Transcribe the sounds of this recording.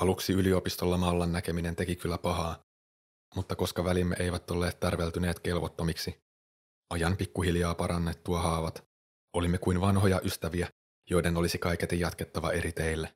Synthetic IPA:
ɑluksiylio̞pist̪o̞lːɑmɑːlːɑnːæke̞mine̞nt̪e̞kikylːæpɑɦɑː | mut̪ːɑko̞skɑʋælimːeʔe̞jʋæt̪ːo̞lːe̞ːt̪t̪ærʋelt̪yne̞ːt̪ke̞lʋot̪ːo̞miksi | ʔɑjɑnpikːuɦiljɑːpɑɾɑnːe̞t̪ːuɑɦɑːʋɑt̪ | o̞limːekuinʋɑnɦo̞jɑʔyst̪æʋiæ | jo̞jde̞no̞lisikɑjket̪ejɑt̪ke̞t̪ːɑʋɑ̰ʔe̞ɾit̪e̞jlːe

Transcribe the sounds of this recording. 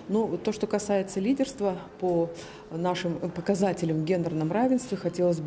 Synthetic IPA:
nut̪o̞ʂt̪o̞kɐsajɪt̪səlʲidʲɪrst̪vəpo | naʂɨmpəkɐzatʲɪlʲɪmvɡʲe̞nd̪ərnəmravʲɪnst̪vʲɪxɐtʲe̞lˠəzʲb

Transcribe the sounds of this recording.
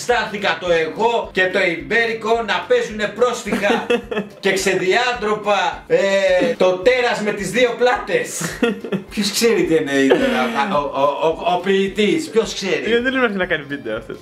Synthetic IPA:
st̪ɐθikɐt̪o̞e̞ɣo̞ce̞t̪o̞imbe̞ɾiko̞nɐpe̞zune̞pɾo̞st̪ixɐce̞kse̞ðiɐnt̪ɾo̞pɐet̪o̞t̪e̞ɾɐzme̞t̪izðio̞plɐt̪e̞s | pço̞skse̞ɾit̪ieneiðoɾɐ | opiːt̪ispço̞skse̞ɾiɐiðenɐxnɐkɐnivid̪eoɐft̪e

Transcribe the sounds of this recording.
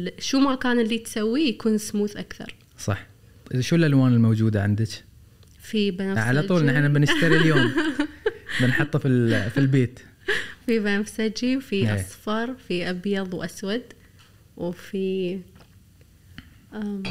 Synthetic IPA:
ʃuːmakaːnɪlːit̪sawːijakuːnsmuːθʔakθɑ̰ɾˤ | sˤɑ̰ħ | ʔʃuːlʔalwaːnɪlmowd͡ʒuːd̪aʕɪnd̪ɪk | fibanaʕalaˤuːlʔnɪħnabɪnɪʃt̪aɾiljoːm | bɪnħɑt̪ˤːfifilbeːt̪ | fibanafsad͡ʒiwfiʔsˤfɑɾˤfiʔabjɑðˤwʔaswad̪ | wfi | ʔa

